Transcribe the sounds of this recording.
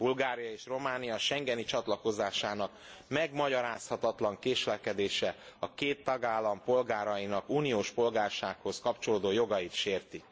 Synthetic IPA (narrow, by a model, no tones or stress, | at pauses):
bulɡaːɾijɒeːʃro̞maːnijɒʃɛŋɡɛnit͡ʃɒt̪lɒko̞zaːʃaːnɒk | mɛɡmɒɟɒɾaːshɒt̪ɒt̪lɒŋkeːʃlɛkɛd̪eːʃɛɒkeːt̪ːɒɡaːlːɒmpo̞lɡaːɾɒjinɒkuːnijoːʃpo̞lɡaːrʃaːkho̞skɒpt͡ʃo̞loːd̪oːjo̞ɡɒjit̪ʃeːrt̪i